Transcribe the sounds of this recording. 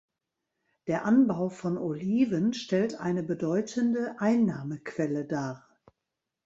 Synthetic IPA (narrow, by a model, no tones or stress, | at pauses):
d̥eːɐʔanbaʊfɔnʔoliːvənʃtɛltʔa̰ɪnəbədɔʏtʰəndəʔaɪnːaːməkv̥ɛlədaː